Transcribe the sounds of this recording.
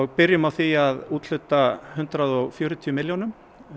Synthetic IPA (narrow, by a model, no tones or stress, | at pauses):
ɔɣpɪɾjʏmawθiaðuːt̪l̥ʏːt̪ahʏn̥t̪ɾaðɔɣfjœːɾʏt̪ʰiʏmɪljɔnʏm